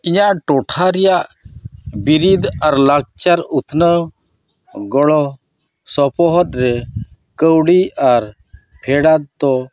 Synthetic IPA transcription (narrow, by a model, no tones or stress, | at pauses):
iɲaʔʈɔʈʰaɾɛjaʔ | biɾid̪aɾlaɡ̚t͡ʃaɾut̪ʰnə | ɡɔɭɔ | sɔpɔɦɔt̪̚ɾɛ | kəwɽiaɾ | pʰɛɽad̪̚t̪ɔ